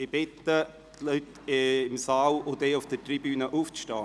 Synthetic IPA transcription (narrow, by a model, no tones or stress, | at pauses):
ɪb̥ɪtə | lyt | ɪmsɑːlʊdeːʊfd̪̥ətribyːnəʔuːft͡sʃtɑː